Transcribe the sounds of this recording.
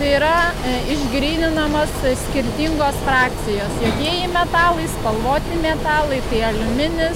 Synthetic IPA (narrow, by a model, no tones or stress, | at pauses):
t̪ɐɪiːɾɐɪʒʲɡɾʲiːnʲɪnɐmoːssʲkʲɪɾʲt̪ʲiːŋɡoːsfɾɑːk̚t͡s̪ʲɪjoːsjoːkʲiɛjimʲɛt̪ɑːlˠɐɪspɐlˠʋoːt̪ʲɪmʲɛt̪ɑːlˠɐɪt̪ɐɪɐlʲʊmʲɪnʲɪs